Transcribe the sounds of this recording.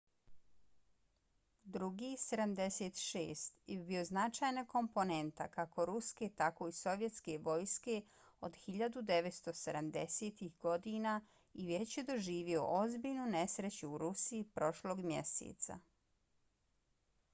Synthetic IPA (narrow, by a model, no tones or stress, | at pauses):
d̪ɾuɡiːse̞d̪amd̪e̞se̞ːt̪ʃḛːst̪jebio̞znat͡ʃaːjnako̞mpone̞nt̪a̰kako̞ɾuske̞t̪ako̞iso̞ʋjet̪ske̞ʋo̞ːjske̞ | od̪xiʎad̪ud̪e̞ʋet̪st̪o̞sed̪amd̪e̞set̪ihɡo̞d̪iːna | iʋje̞t͡ɕjed̪o̞ʒiːʋio̞̰ʔozbiːʎnune̞sɾe̞t͡ɕuːɾusiːpɾo̞ʃlo̞ːɡmjḛsḛːt̪sa̰